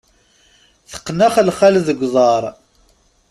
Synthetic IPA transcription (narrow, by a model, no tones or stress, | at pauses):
θə̥qːnæχlχælðəɡʷðˤɑɾˤ